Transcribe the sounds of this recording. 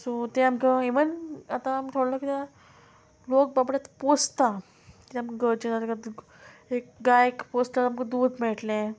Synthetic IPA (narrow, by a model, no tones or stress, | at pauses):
sut̪ɛ̃amkəeʋənat̪aːmit̪ʰoɽlɔkit̪e | lok̚babʈjat̪post̪a | kit̪eamkɡəɾt͡ɕənat̪ka | ekɡajkpost̪alamkə̃d̪uːd̪mɛɭʈlɛ̃